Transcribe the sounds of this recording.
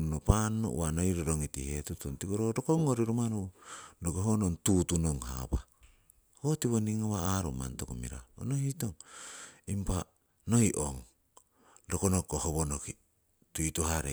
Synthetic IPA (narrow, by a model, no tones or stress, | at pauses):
nopanːo̰ʔwanojɾoɾoŋitḭhetutontikoɾoɾokoŋoɾiɾumanodoɡoɦonontutunoŋha̰pa̰ | hotiβoniŋoβaːɾo̰ma̰nto̰komḭɾa̰o̰nohitoŋ | impa | nojʔo̰ŋ | dokonokohoβonoki | tuituhaɾḛ